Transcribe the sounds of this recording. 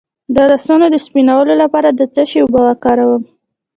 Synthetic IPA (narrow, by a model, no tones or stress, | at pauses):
d̪əɾasɑnod̪əspinawəlolapɑɾad̪ət͡saʃewbɑɣakɑɾawəm